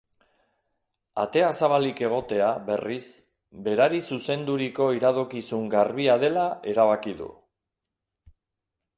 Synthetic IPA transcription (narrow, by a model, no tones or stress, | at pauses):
a̰t̪e̞asaβalike̞ɣ̞o̞t̪e̞aβe̞ris | be̞ɾaɾisuse̞nd̪uɾiko̞iɾaðokisuŋɡarβiað̞e̞lae̞ɾaβ̞akiðṵ